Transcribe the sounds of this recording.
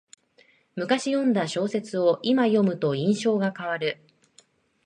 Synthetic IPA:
mɯ̟kaɕijõ̞nd̪aɕo̞ːse̞t͡sɨo̞ʔimajo̞mɯ̟t̪o̞ĩɰ̃ɕo̞ːɡakaβ̞aɾɯ̟

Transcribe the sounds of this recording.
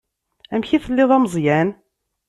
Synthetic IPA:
æmçiθəlːiðˤæmzˤjæn

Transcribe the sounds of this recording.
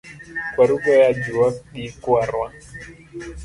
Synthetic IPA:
kwaɾuɡɔjad͡ʒuaɗikuaɾwa

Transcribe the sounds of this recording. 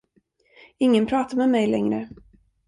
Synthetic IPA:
ɪŋːənpʰɾɑːt̪amɛmɛjlɛŋɾə̰

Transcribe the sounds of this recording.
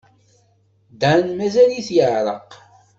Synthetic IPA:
d̪əʕnmæzæliθjəʕɾˤə̰q

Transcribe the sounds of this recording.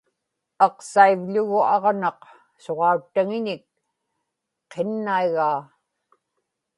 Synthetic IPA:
ɑqsaivʎʊɣʊɑʁnɑq | so̞ʁɑut̪ːaŋɪɲɪk̚ | qenːaiɣaː

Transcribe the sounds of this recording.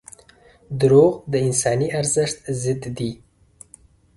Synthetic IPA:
d̪ʊɾoɣd̪əɪnsɑniaɾzɪʂt̪zɪt̪d̪i

